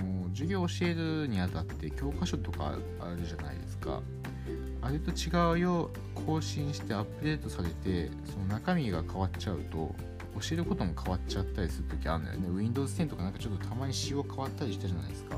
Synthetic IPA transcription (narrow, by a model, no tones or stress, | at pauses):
moːd͡ʑɨɡʲo̞ːɕie̞ɾɯ̟ɲ̟iat̪at̪ːe̞kʲo̞ːkaɕo̞t̪o̞ka̰ | aɾɯ̟ʑana̰ḭd̪e̞sɨ̥ka̰ | aɾet̪o̞t͡ɕiɡaɯ̟jo̞ | kʰo̞ːɕĩɰ̃ɕi̥t̪e̞apːɯ̟d̪e̞ːt̪o̞saɾe̞t̪e̞ | so̞no̞nakamʲiɡakʰaβat͡ɕaɯ̟t̪o̞̰ː | ɕie̞ɾɯ̟ko̞t̪o̞mokʰaβat͡ɕat̪ːaɾʲisɨɾɯ̟t̪o̞kʲia̰ɾɯ̟na̰neɯ̟ĩnd̪o̞ːzɨ̥t̪ent̪okanãŋkat͡ɕo̞t̪ːo̞t̪ʰamaɲ̟iɕioːkʰaβat̪ːaɾʲiɕi̥t̪aʑana̰ḭd̪esɨ̥ka̰